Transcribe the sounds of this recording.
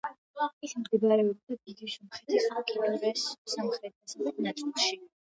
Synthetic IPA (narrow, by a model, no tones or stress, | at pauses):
at | lˠakismɡ̪ɛbaɾɛɔb̚d̪ad̪id̪isɔmχɛt̪ʰisamkʼiɾɛnvɛssamχɾɛt̪ʰasaχɛt̪ʰnat̪sʼɛlˠʃi